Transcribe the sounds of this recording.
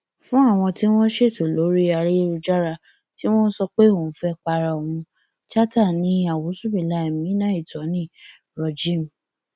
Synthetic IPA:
fũ˦a˦˨w̃ɔ̃˧ti˦w̃ɔ̃˦ʃe˦˨to˨lo˨˦ɾi˦a˧ɾe˦e˧ɾu˧d͡ʒa˦ɾa˧ | ti˦w̃ɔ̃˦sɔ˧k͡pe˦õ˨˦fɛ˧k͡pa˧ɾa˨o˨wũ˧ | t͡ʃa˦ta˦˨nĩ˨˦a˨wo˨˦su˦bĩ˨la˧˦˨mĩ˨˦nã˦i˦˨tɔ˨˦nĩ˦˨ | ɾɔ˨d͡ʒĩ˦˨m˨

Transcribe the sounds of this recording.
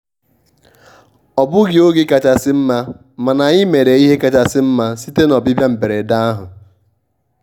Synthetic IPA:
ɔ˨bʊ˦ɡɪ˨o˦ɡɪ˦ka˨t͡ʃa˨sɪ˦m̩˦ma˦ | ma˨na˨ɲɪ˦me˨ɾe˨i˦ɦe˦ka˨t͡ʃa˨sɪ˦m̩˦ma˦si˦te˦nɔ˨bɪ˦bja˦m̩˨be˨ɾe˨da˦a˦ɦʊ˨

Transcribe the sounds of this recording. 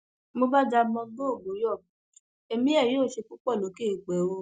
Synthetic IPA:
mo˧ba˦d͡ʒa˧mɔ̃˧ɡo˦o˦˨bo˨˦jɔ˦˨ | e˧mĩ˨˦ɛ˦˨jĩ˨˦o˦˨ʃe˧ku˦k͡pɔ˦˨lo˨˦ke˦˨ɡ͡bɛ˨˦wo˧

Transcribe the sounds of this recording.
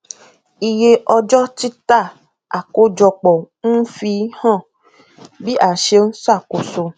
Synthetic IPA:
i˧je˦ʔɔ˧d͡ʒɔ˦ti˦t̪a˦˨ | a˨ko˦d͡ʒɔ˧k͡pɔ˨n̩˦fi˧˦hã˦˨ | bi˦ʔa˨ʃe˧n̩˦sa˦˨ko˨so˧

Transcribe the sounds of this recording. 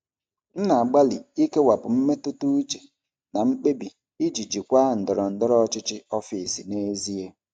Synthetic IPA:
n̩˦na˨a˨ɡ͡ba˦lḭ˨i˦ke˦wa˨pʊ˨m̩˦me˦tu˦tu˦i˦t͡ʃe̥˨ | na˨ŋ͡m̩˦k͡pe˦bi˨ | i˦d͡ʒi˨d͡ʒi˨kʷa˦n̩˨dɔ˨ɾɔ˨n̩˨dɔ˦ɾɔ˦t͡ʃɪ˦t͡ʃɪ˦ɔ˦fi˨si˨ne˦zi˦e˦

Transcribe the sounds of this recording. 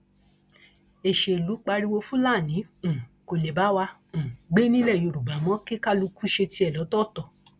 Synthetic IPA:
e˨ʃe˨lu˨˦k͡pa˧ɾi˦wo˧fũ˦laː˦˨nĩ˨˦˨ko˨le˨ba˨˦wã˧˨ | ɡ͡be˦nĩ˦lɛ˦˨jo˨˧˨ɾu˨ba˨˦mɔ̃˦ke˦ka˦lu˧ku˦ʃe˧ti˧ɛ˨lɔ˨˦tɔ˦˨tɔ˨

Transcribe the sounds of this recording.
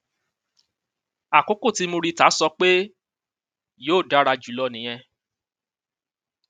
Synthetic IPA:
a˨ko˨˦ko˦˨ti˨˦mo˧ɾi˧˦ta˨˦sɔ˧˦k͡pe˦ | joː˦˨da˨˦ɾa˧d͡ʒu˨˦lɔ˦˨nĩ˨˦j̃ɛ̃˧

